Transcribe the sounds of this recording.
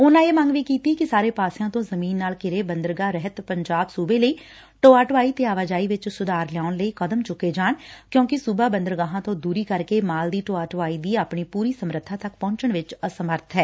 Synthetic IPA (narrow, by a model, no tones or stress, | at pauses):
ʊnãːeːmə̃ŋɡʋiːkiːt̪ikɪsaːɾeːpaːsɪjãːt̪õːzəmiːnːaːlkɪɾeːbənd̪əɾɡaːɾɛɦət̪pəɲd͡ʒaːbsuːbeːləiː | ʈoːaːʈʋaːiːt̪eːaːʋaːd͡ʒaːiːʋɪt͡ʃsʊd̪aːɾljaːʊnləiːkəd̪əmt͡ʃʊkːeːd͡ʒaːɳkjõːkɪsʊbaːbənd̪əɾɡaːɦãːt̪õːd̪uːɾiːkəɾkeːmaːld̪iːʈoːaːʈʋaːiːd̪iːapɳiːpuːɾiːsəmɾət̪ʰːaːt̪ək̚pɔ̃ːɲt͡ʃəɳʋɪt͡ʃəsəməɾt̪ʰɦɛː